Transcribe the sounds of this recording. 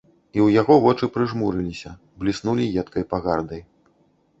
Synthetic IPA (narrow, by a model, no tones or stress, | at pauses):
iwjaɣɔvɔt͡ʂɨpɾɨʐmuɾɨlʲisʲɐ | blʲisnulʲijɛt̪kɐjpaɣard̪ɐj